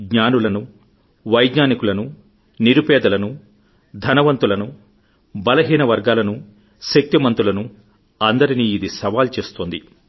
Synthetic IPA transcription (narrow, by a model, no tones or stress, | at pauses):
ɡɲaːnulɐnu | ʋɐjɡɲaːnikulɐnu | niɾupɛːd̪ɐlɐnu | d̪ʱɐnɐʋɐnt̪ulɐnu | bɐlɐɦiːnɐʋɐɾɡaːlɐnu | ʃek̚t̪imɐnt̪ulɐnu | ɐnd̪ɐɾiniːid̪isɐʋaːlt͡ʃeːst̪oːnd̪i